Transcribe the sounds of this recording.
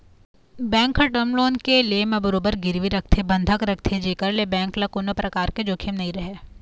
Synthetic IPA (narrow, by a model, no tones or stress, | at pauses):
bɛ̃ːŋkɦɐʈəmloːnkelemẽbəɾoːbəɾɡɪɾʋiɾɐk̚ʰt̪ʰebɐ̃nd̪ʱəkɾɐk̚ʰt̪ʰed͡ʒeːkəɾlebɛ̃ːŋklɐkʊnəpɾɐkaːɾked͡ʒoːkʰemnɐɦĩɾɐɦeː